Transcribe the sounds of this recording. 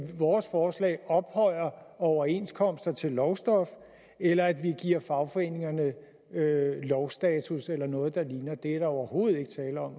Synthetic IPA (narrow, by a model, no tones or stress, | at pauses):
ʋɒːsfɒːslɛ̰ːɒ̽b̥hɒ̽ɪ̰ɐɒʊɐe̝nskʰɒ̽m̰sd̥ɐt͡sʰe̝lːɒʊsd̥ɒ̽f | elɐæd̥ʋiɡ̥iɐ̰fɑ̈ʊfɒ̽e̝ne̝ŋɐnə | ølɒʊsd̥ɛːt͡sʰuselɐnɔ̽ːð̩ˠd̥ɑ̈liːnɐd̥e̝æɐɾ̥ɑ̈ɒʊɐho̝ːð̩ˠe̝ɡ̥ə̥t͡sʰɛːlɐɒ̽m̰